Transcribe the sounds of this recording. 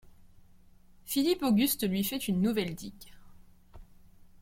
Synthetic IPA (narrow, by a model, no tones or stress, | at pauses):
filipoɡʲyst̪lɥifɛt̪ynːuvɛld̪ik